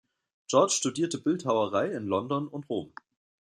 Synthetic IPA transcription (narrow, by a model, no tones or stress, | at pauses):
d͡ʒ̥ɔɐt͡ʃʃtudiːɐtəbɪlthaʊɐʁaɪɪnlɔndɔnʊntʁoːm